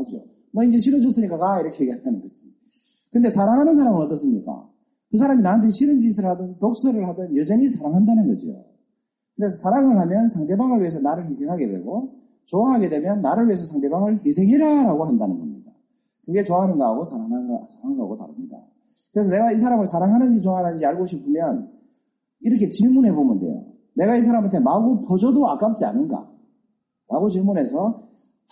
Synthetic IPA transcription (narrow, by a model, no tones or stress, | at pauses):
ad͡ʑo̰ | mʌind͡ʑe̞ɕʰiɾod͡ʑʌs͈ɯɲik͈aɡaiɾʌkʰejeɡiɦandanɯnɡʌd͡ʑi | kɯnde̞sʰaɾaŋɦanɯnsʰaɾamɯnʌt͈ʌs͈ɯmɲika̰ | is̬ʰaɾaminant̬eɕʰiɾɯnd͡ʑisʰɯɭadʌntok̚s͈ɯɾɯɭhadʌnjʌd͡ʑʌɲisʰaɾaŋɦandanɯnɡʌd͡ʑḭjo̰ | kɯɾe̞sʰʌsʰaɾaŋɯɭhamjʌnsʰaŋde̞baŋɯɭɥiɦe̞s̬ʰʌnaɾɯɭɸisʰe̞ŋɦaɡe̞dwe̞̰ɡo | t͡ɕoaɦaɡe̞dwe̞mjʌnːaɾɯɭɥiɦe̞sʰʌsʰaŋde̞baŋɯɭɦisʰe̞ŋɦeɾjajaɾaɡoɦandanɯnɡʌ̰mɲida | kɯɡe̞t͡ɕoaɦanɯnɡaaɡosʰaɾaŋɦasʰaaŋɾaɡota̰ɾɯmɲida̰ | kɯɾesʰʌne̞ɡais̬ʰaɾamɯɭsʰaɾaŋɦanɯnd͡ʑit͡ɕoaananɯnd͡ʑiaɭɡoɕʰipʰɯmjʌn | iɾʌkʰe̞t͡ɕiɭmunɦe̞bomjɯndḛjo̰ | ne̞ɡaisʰaɾamantʰemaɡupod͡ʑʌdoak͈ap̚t͡ɕ͈ia̰nɯnɡa̰ | ɾaɡot͡ɕiɭmune̞sʰʌ